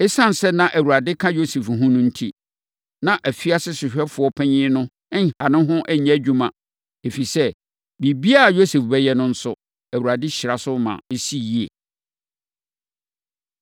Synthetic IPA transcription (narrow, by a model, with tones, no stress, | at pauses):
ɪ˦sã˦n˨sɛ˦nã˨ʔæ˨wu˨ɾa˨dɪ˦kʰã˦jo˦se˨fɦʊ̃˦nʊ̃˦n̩˦tʰi˦ | nã˨ʔæ˨fi˦a˦sɪ˦sɪ˨ɕᶣɛ˦fʊ˨ɔ˦pʰæ̃˦ɲɪ̃˦nʊ̃˦ | ŋ̩˨ha˨nʊ̃˦ɦʊ̃˦ʔæ˦ɲæ˨˦˨d͡ʑᶣu˦mã˨ | e˨fi˨sɛ˦ | bi˨bi˦a˦˨jo˦se˨fbɛ˦jɛ˦nʊ̃˦n̩˦sʊ˦ | æ˨wu˨ɾa˨dɪ˦ɕɪ˨ɾa˨sʊ˦mã̰˨e˦si˦ji˦e˨